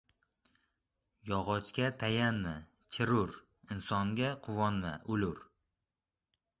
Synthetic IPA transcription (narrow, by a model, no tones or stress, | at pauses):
jɒʁɒt͡ʃkʲat̪ʰajanma | t͡ʃʰɪɾʊɾ | ɪnsɒŋɡʲaqʰʊwɒnma̰ʔʊlʊɾ